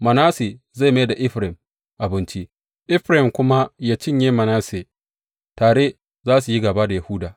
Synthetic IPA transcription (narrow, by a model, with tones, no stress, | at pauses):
mɐ˨naː˦se˨ | za˦˨ma˦jda˨ʔɪ˦ɸɾɪ˨m | ʔa˨bɪ˦nt͡ʃi˦ | ʔɪ˦ɸɾɪ˨mkʷʊ˦ma˦jaː˦t͡ʃɪ˦ɲjeː˦mɐ˨naː˦se˨ | taː˨ɽe˦ | zaː˦su˨ji˦ɡɐ˨ba˦da˨ja˨hʊ˦daː˨